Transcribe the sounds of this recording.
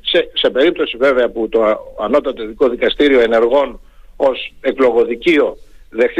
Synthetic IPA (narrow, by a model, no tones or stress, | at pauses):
sese̞pe̞ɾip̚t̪o̞sive̞ve̞ɐput̪o̞ɐno̞t̪ɐt̪oit̪iko̞ðikɐst̪iɾio̞ene̞ɾɣo̞no̞se̞klo̞ɣo̞ðicio̞ðe̞xθ